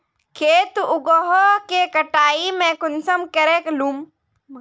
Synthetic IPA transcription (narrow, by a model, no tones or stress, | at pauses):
kʰeːt̪ʊɡɔɦɔkekɐʈaːimẽkʊnsɐmkɐɾeklum